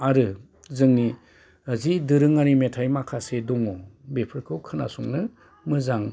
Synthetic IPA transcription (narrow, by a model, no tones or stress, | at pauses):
aɾɯ | zɯŋni | ɯzidɯɾɯŋanimetʰajmakʰasedɔŋɔbepʰɯɾkʰɯwkʰɯna̰suŋnɯ | mɯzaŋ